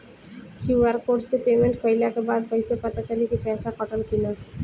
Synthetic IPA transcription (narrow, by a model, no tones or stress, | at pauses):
kʰiʋaɾkoːɾʈsepeːmẽɳʈpəɪlakebaːd̪̚pəɪsepət̪at͡ʃalikipɛːsakɔʈəlkina